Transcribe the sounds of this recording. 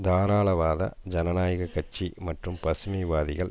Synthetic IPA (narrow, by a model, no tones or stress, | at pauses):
d̪aːɾaːɭɐʋaːðɐ̰d͡ʒɐnɐnaːjɐɣɐkːɐt͡ʃːimɐʈrɯmpɐsʊmɐɪʋaːðɪɣɐɭ